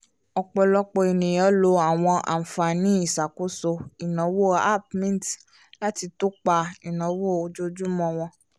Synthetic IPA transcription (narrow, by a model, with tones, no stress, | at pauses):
ɔ˧k͡pɔ˧lɔ˧k͡pɔ˧i˨nĩ˨jɔ̃˨˦lo˧˦a˨w̃ɔ̃˧ʔa̰˨m̩˨fa˨nĩ˦i˦˨sa˨ko˨˦so˧i˨nã˨˦wo˦˨a̰˦˨p̚mĩ˦˨t | la˦ti˧to˦k͡pa˧i˨nã˨˦wo˦˨o˧d͡ʒo˦d͡ʒu˦mɔ̃˧w̃ɔ̃˧